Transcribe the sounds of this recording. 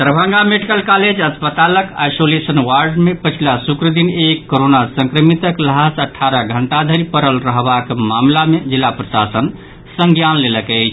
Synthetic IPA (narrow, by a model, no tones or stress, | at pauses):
t̪əɾbʱə̃ŋɡameɖikəlkaled͡ʒəspət̪aləka̰jsolesənwaɾɖmepət͡ʃʰilasukɾəd̪inekːoɾonasə̃ŋkɾəmit̪əkləɦasəʈʰːaɾəɡʱəɳʈad̪ʱəɾipəɾəlɾəɦbakmamlamed͡ʒilːapɾəsa̰sən | sə̃ŋɡjanleləkɛɪt͡ʃʰ